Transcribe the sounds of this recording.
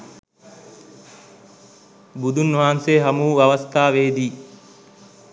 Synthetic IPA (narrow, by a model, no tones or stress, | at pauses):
bud̪unːuɦaːnseːɦɐmuːɐʋɐst̪ʰaːʋeːd̪iː